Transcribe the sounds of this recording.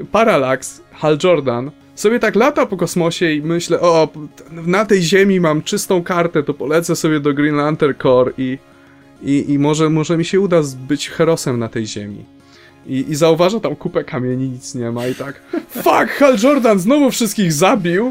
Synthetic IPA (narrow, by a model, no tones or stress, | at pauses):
paɾalaks | xald͡ʐɔɾd̪an | sɔbʲjɛt̪aklat̪apɔkɔsmɔɕɛimɘɕlɛʔɔɛnat̪ɛjʑemʲimamt͡ʂɘst̪ɔ̃w̃kaɾt̪ɛt̪ɔpɔlɛt̪sɛsɔbʲjɛd̪ɔɡɾinlant̪ɛɾkɔɾi | iimɔʐɛmɔʐɛmʲiɕɛud̪azbɘt͡ɕxɛɾɔsɛmnat̪ɛjʑḛmʲḭ | iʔːzauvaʐat̪amkupɛkamʲɲɛɲiɲit̪sɲɛmait̪akfakxald͡ʐɔɾd̪anznɔvufʂɨst̪̚kʲiɣzabʲiw